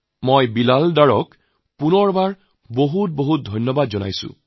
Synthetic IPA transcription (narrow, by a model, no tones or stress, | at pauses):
mojbilaldaɹɔk | punɔɹbaɹ | boɦut̚boɦut̚dʱɔjnjɔbadzɔna̰jsʊ̰̃